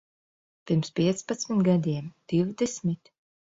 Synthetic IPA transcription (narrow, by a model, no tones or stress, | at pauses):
pʲiɾmspʲiɛt̪spat̪smit̪ɡad̪ʲiɛmd̪̥iwd̪ɛsmʲit̪